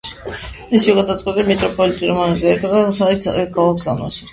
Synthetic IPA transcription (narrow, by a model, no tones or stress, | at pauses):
isiɔɡad̪at̪sʼqʼwɛt̪ʼimɛt̪ʼɾɔpʼɔlit̪ʼiɾɔmɔnazɛːkʼzasaisɛɡaaɡza̰mna̰su